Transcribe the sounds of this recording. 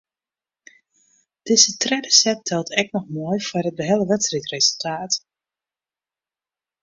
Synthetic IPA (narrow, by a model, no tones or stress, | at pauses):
d̥ɪzətrɛdəsɛp̚tʰɛlˠtʰɛk̚nɔxmojfarət̚bəɦɛlˠəʋɛtsritrezəlˠtʰaːt